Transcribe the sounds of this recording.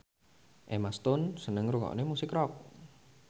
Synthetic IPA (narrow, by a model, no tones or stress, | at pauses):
ʔemast̪ʊnsənəŋɾukɔ̰ʔnemusɪkrɔk̚